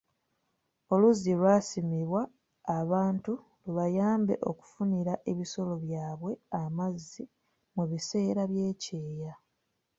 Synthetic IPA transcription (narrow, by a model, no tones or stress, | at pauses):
o̞luzilwasimiβwaː | βaːntu | luβajaːmbe̞̰ʔo̞ku̥funiɾaʔe̞βiso̞lo̞βjaːβwe̞amazːi | muβise̞ːɾaβje̞ːce̞ːja